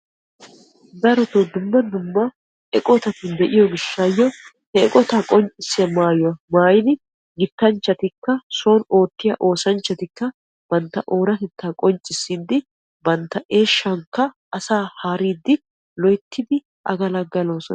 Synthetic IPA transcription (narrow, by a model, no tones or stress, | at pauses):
d̪ɐɾɔt̪od̪ʊmːɐd̪ʊmːɐ | ɛkʼɔt̪ɐt̪ɪnd̪ɛʔɪjɔɡɪʃːajːɔ | hɛɛkʼɔt̪akʼɔnt͡ʃʼɪsːɪɐmaːjʊwɐmaːjɪnɪ | ɡɪt̪ːɐnt͡ʃːɐt̪ɪkːɐso̞ːno̞ːt̪ːɪjɐʔo̞ːsɐnt͡ʃːɐt̪ɪkːɐ | b̥ɐnt̪ːɐʔo̞ːɾɐt̪ɛt̪ʰːaːkʼɔnt͡ʃʼːɪsːiːd̪ɪ | bɐnt̪ːɐʔe̞ːʃːɐŋkːɐ | ɐsaːhaːɾiːd̪ːɪ | lɔjt̪ʰːɪd̪ɪ | ʔɐ̰ɡɐlɐɡːɐloːsɔn